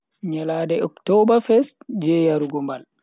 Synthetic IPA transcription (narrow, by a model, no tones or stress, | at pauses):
ɲɛladɛʔɔ̰ktɔbafɛstd͡ʒɛjaɾuɡɔmbal